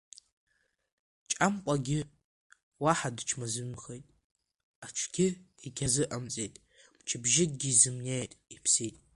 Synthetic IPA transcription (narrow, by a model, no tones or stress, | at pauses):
t͡ʃʼamqʷʼaɡʲɪ | waħadɨt͡ʃʰmazɨmxejtʼ | aʈ͡ʂʷʰɡʲɪiɡʲʰazɨʔamt͡sʼejtʼ | mt͡ʃʰɪbʒɪd̚ʼɡʲizɨmnejtʼipʰsejtʼ